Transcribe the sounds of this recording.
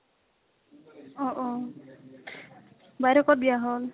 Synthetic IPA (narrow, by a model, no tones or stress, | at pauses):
ɔʔɔ | bajɾɔkɔt̚bijaɦɔl